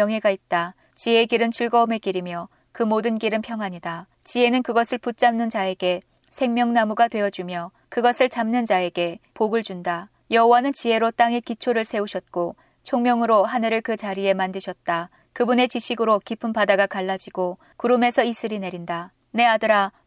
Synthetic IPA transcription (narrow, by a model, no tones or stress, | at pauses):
jʌŋɦe̞ɡait̚t͈a | t͡ɕie̞ɡiɾɯnt͡ɕʰiɭɡʌume̞kiɾimjʌ | kɯmodɯnɡiɾɯnpʰjʌŋɦaɲida | t͡ɕie̞nɯnkɯɡʌsʰɯɭput̚t͡ɕ͈amnɯnd͡ʑae̞ɡe̞ | sʰe̞ŋmjʌŋnamuɡatwe̞ʌd͡ʑumjʌ | kɯɡʌsʰɯɭt͡ɕamnɯnd͡ʑae̞ɡe̞poɡɯɭd͡ʑunda | jʌɦowanɯnt͡ɕie̞ɾot͈aŋe̞kit͡ɕʰoɾɯɭsʰe̞uɕʰʌt̚k͈o | t͡ɕʰoŋmjʌŋɯɾoɦanɯɾɯɭkɯt͡ɕaɾie̞mandɯɕʰʌt̚t͈a | kɯbune̞t͡ɕiɕʰiɡɯɾokipʰɯmpadaɡakaɭːad͡ʑiɡ̥o | kuɾɯme̞sʰʌis͈ɯɾine̞ɾinda | ne̞adɯɾa